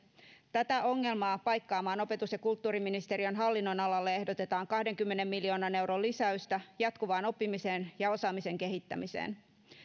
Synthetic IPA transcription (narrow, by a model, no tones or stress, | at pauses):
t̪æt̪æʔo̞ŋːe̞lmɑːpɑjkːɑːmɑːno̞pe̞t̪usjɑkult̪ːuːɾiminist̪e̞ɾiønɦɑlːinːo̞nɑlɑlːee̞hdot̪e̞t̪ɑːŋkɑhde̞ŋkymːene̞mːilio̞ːnɑne̞wɾo̞lːisæyst̪æjɑt̪kuʋɑːno̞pːimise̞ːnjɑo̞sɑːmise̞ŋke̞ɦit̪ːæ̰misḛːn